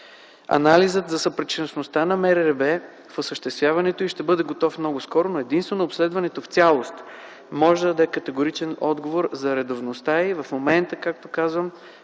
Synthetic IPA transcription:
ɐ̰nalizət̪zɐsɐpɾɛt͡ʃinosnost̪anɐmɛɾɛɾɛbɛ | fosəʃt̪ɛst̪vjavɐnɛt̪oiʃt̪ɛbɤd̪ɛɡot̪ɔfmnɔɡʊskɔɾonoɛd̪inst̪vɛnoːpslɛd̪vɐnɛt̪oft̪sʲalˠost̪ | mɔʒɛd̪əd̪ɐɛkɐt̪ɛɡoɾit͡ʃɛnɔd̪ɡovoɾzɐɾɛd̪ovnost̪aivɐfmomɛnt̪əkak̚t̪okazvəm

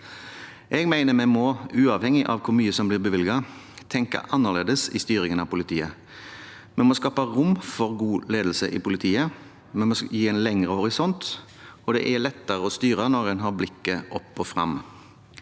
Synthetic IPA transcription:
ʔɛɡmæɪnəɾmɛmɔʉːɑʋhɛŋːɪʔɑ̰ʋkʰʊɾmyːəsɔmblɪʁbəʋɪlɡɑ | t̪ʰɛŋkɑ̰ʔɑnːəʁleːd̪əsɪ̰st̪yːɾɪŋənɑʋpʰʊlɪt̪ʰiːə | mɛnmɔskɑːpəʁʊmːfɔɾɡuːleːd̪l̩səʔɪ̰pʊlɪt̪ʰiːə | mɛnmɔjiːæɪnlɛŋʁəhɔɾɪsɔnt̪ | ɔd̪ɛ̰ʔɛlɛt̪ːəɾəɔst̪yːɾənɔɾɛnɦɑɾblɪkːəʔɔpːɔfɾɑ̰m

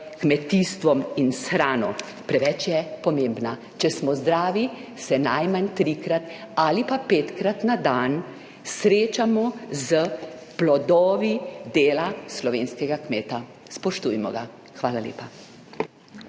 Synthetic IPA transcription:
kmɛt̪ist̪ʋɔminsxɾaːnɔ | pɾɛʋɛt͡ʃjɛpɔmembna | t͡ʃɛsmɔzd̪ɾaːʋisɛnajmant̪ɾikɾat̪ | alipapeːt̪kɾat̪nad̪an | sɾeːt͡ʃamɔzə | plɔd̪ɔːʋid̪eːlaslɔʋeːnskɛɡakmeːt̪a | spɔʃt̪ujmɔ̰ɡa | xʋaːlalḛːpa

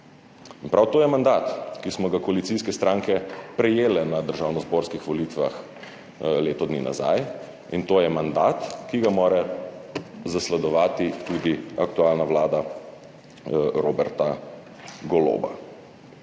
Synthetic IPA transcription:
inpɾawt̪oːjɛmand̪aːt̪kismɔɡakɔalit̪siskɛst̪ɾaːŋkɛpɾɛjeːlɛnad̪əɾʒaːwnɔzboːɾskixʋɔlit̪ʋa̰x | leːt̪ɔd̪nḭːna̰za̰j | int̪oːjɛmand̪at̪kiɡamoːɾɛ | zaslɛd̪ɔʋaːt̪it̪ud̪iak̚t̪ualnawlaːd̪a | ɾobɛɾt̪a | ɡɔlo̰ːba̰

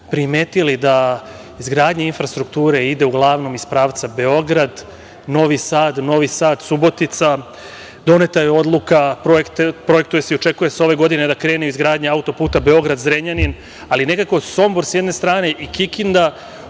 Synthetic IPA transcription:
pɾime̞ːt̪ilid̪a | izɡɾaːd̪ɲainfɾast̪ɾuk̚t̪uːɾe̞id̪e̞uɡlˠaːʋno̞mispɾaːʋt̪sabe̞o̞ɡɾad̪ | no̞ʋisaːd̪no̞ʋisaːd̪subo̞t̪it̪sa | d̪o̞ne̞t̪ajeo̞d̪lˠukapɾoekt̪pɾo̞jek̚t̪uje̞seiot͡ʃe̞kuje̞seo̞ʋe̞ɡo̞d̪ine̞d̪akɾe̞ːneuizɡɾaːd̪ɲeaut̪o̞puːt̪abe̞o̞ɡɾad̪zɾeɲanin | aline̞kako̞so̞mboɾsjed̪ne̞st̪ɾaːne̞ʔikikind̪a

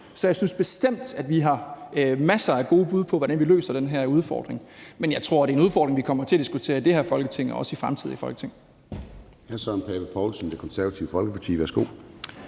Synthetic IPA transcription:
sɒ̽jɑ̈ɪsynsb̥e̝sd̥em̰d̥æd̥ʋiɦɑ̈mæsɐæɡ̥o̝ːb̥uð̞̰ˠpʰɒ̽ʋɒɾ̥ænʋilø̰ːsɐd̥enɦæɐuð̞ˠfɒ̰ːd̥ʁeŋmenjɑ̈ɪt͡sʰʁo̝ɐ̰d̥e̝ɐenuðˠfɒːd̥ʁeŋʋikʰɒ̽mɐt͡sʰe̝æd̥isɡ̥ut͡sʰe̝ːɐid̥e̝hæɐfɒ̽lɡ̥ət͡sʰe̝ŋ̰ɒ̽ɒ̽səifʁamt͡sʰið̰ˠifɒ̽lɡ̥ə̥t͡sʰe̝ŋ | hæsɒnpʰɛːb̥ɐpʰɒʊlsənd̥ekʰɒ̽nsæɐɐt͡sʰiʊəfɒ̽lɡəpʰɑt͡sʰḭːʋæɐsɡ̥o̝̰ː

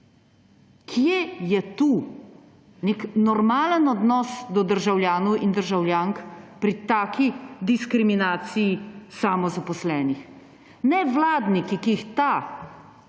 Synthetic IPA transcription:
kʰjejɛt̪uː | neknɔɾmaːlənɔd̪nɔsd̪ɔd̪əɾʒawljaːnɔwind̪əɾʒawljaːŋkpɾit̪aːkʰid̪iskɾiminaːt̪sijisamɔzapɔslɛːnix | nɛʋlaːd̪nikikiːxt̪a

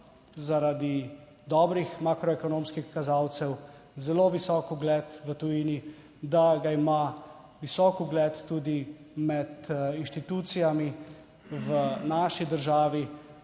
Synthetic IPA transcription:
zaɾad̪i | d̪ɔːbɾixmaːkɾɔɛkɔnoːmskixkazaːwt̪sɛw | zɛloʋisɔːkuɡlɛːt̪ʋət̪ujiːni | d̪aɡaima | ʋisɔːkuɡlɛt̪ːuːd̪i | mɛt̪inʃt̪it̪uːt̪sijami | ʋənaːʃid̪əɾʒaːʋi

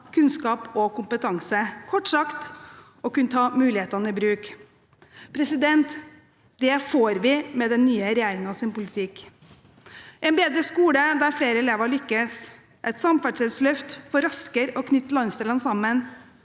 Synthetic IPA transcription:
kʰʉnskɑːpɔkʊmpət̪ʰɑŋsəkʰɔʈːsɑkt̪ | ɔkʉnət̪ʰɑːmʉːlɪheːt̪ɑnəɪbɾʉːk | pʰɾɛsɪd̪ɛnt̪ | d̪ɛfoːɾʋɪmɛd̪ɛnːyːəɾɛjæːɾɪŋəɑʋsɪnpʊlɪt̪ʰɪk | ʔɛnbeːd̪ɾəskuːləd̪æɾfɽeːɾəɛleːʋəɭʏkːəs | ʔɛt̪sɑmfæɖʂɛlslœft̪fɔɾɑskəɾɔkʰnʏt̪ːəlɑnst̪ɛlənsɑmːən

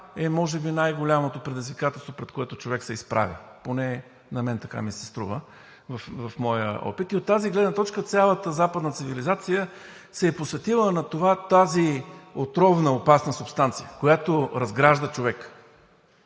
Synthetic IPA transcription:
ɛmɔʒɛbinajɡolʲamot̪opɾɛd̪izvikat̪ɛlˠst̪vopɾɛt̪koɛt̪ʊt͡ʃovɛksɛispɾʔa̰vʲḭponɛ | nɐmɛnt̪ɐka̰misɛ̥st̪ɾuvə | vɐfvɐfmɔjə̰ɔ̰pit̪iot̪ːaziɡlɛd̪nət̪ɔt͡ʃkət̪sʲjalˠət̪əzapəd̪nət̪sivilizat̪sijə | sɛːposvɛt̪ilˠənɐt̪ovat̪aziot̪ɾɔvnəopasnəsʊpst̪ant̪sijəkojat̪oɾɐzɡɾaʒd̪ət͡ʃovɛk

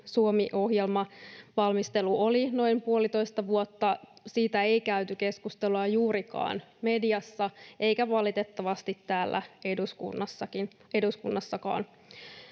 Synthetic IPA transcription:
suomiʔo̞ɦjelmɑʋɑlmist̪eluolino̞impuolit̪o̞ist̪ɑʋuot̪ːɑsiːt̪æe̞ikæyt̪yke̞skust̪eluɑjuːɾikɑ̰ːnmediɑsːɑʔe̞ikæʋɑlit̪et̪ːɑʋɑst̪it̪tːæːlːʔæ̰eduskṵnːɑsːɑkin | eduskunːɑsːɑkɑ̰ːn

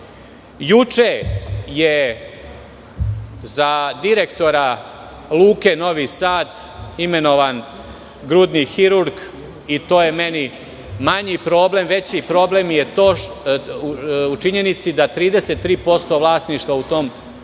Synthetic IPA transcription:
jut͡ʃeje | zad̪iɾe̞kt̪o̞ɾa | lˠuːke̞no̞ʋisaːt̪ | ime̞no̞ʋan | ɡɾud̪nixiɾuɾɡ | it̪o̞ːjeme̞ni | maɲipɾo̞ːble̞mʋe̞t͡ɕipɾo̞ble̞mjet̪oː | ut͡ʃiɲe̞nit̪sid̪at̪ɾiːd̪ese̞t̪ːɾiːpo̞st̪o̞ʋlˠaːsniʃt̪ʋaut̪o̞ːm

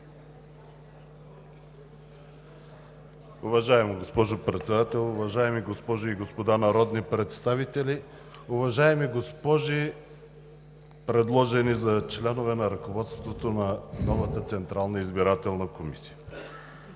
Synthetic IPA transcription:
ʊvɐʒaɛmoɡospɔʒopɾɛt̪sɛd̪at̪ɛlˠʊvɐʒaɛmiɡospɔʒiiɡospod̪anɐɾɔd̪nipɾɛt̪st̪avit̪ɛli | ʊvɐʒaɛmiɡospɔʒi | pɾɛd̪lˠɔʒɛnizɐt͡ʃlɛnovɛnɐɾɐkovɔt̪st̪t̪vot̪onɐnɔvɐt̪ət̪sɛnt̪ɾalˠnəizbiɾat̪ɛlˠnəkomisi̥ə

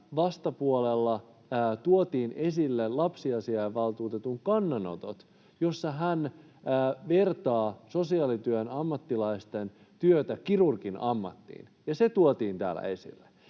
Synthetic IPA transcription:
ʋɑst̪ɑpuolelːɑː | t̪uot̪iːnʔesilːellɑpsiɑsiɑjɑʋɑlt̪uːt̪et̪uŋkɑnːɑno̰t̪o̰t̪ | jo̞sːɑɦænː | ʋert̪ɑːso̞siɑːlit̪yønɑmːɑt̪ːilɑist̪en | t̪yøt̪ækirurkinɑmːɑ̰t̪ːḭːn | jɑset̪uot̪iːnt̪æ̰ːlːæ̰e̞sḭlːe

